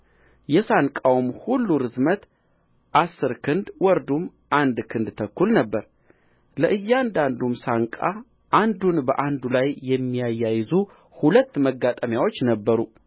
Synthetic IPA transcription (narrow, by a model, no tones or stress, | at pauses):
jɛsankʼawmhulːuɾɨzmət̪ | ʔasːɨɾkʰɨnd̪wɔɾd̪um | ʔand̪kʰɨnd̪t̪ʰəkːulnəbːəɾ | ləʔɨjːand̪and̪umsaŋkʼa | ʔand̪unbəʔand̪ulajːɛmːijajːajɪzu | hulət̪ːməɡat̪ʼəmjawo̞t͡ʃːnəbːəɾu